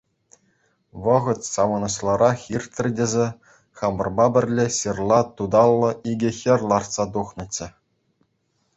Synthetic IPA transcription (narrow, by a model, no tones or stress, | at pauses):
ʋɤ̆ʁɤ̆t̪ʲsɑʋɤ̆nɤ̆ɕlˠɑɾʔɑxirʲt̪ʲrʲdʲezʲe | χɑmɤ̆rbɑbʲɘ̆rʲlʲeɕirlˠɑt̪ud̪ɑlˠːɤ̆ʔiɡʲɘ̆xʲɘ̆rʲlˠɑrt̪sɑt̪̬uχnɤ̆t͡ɕːɘ̆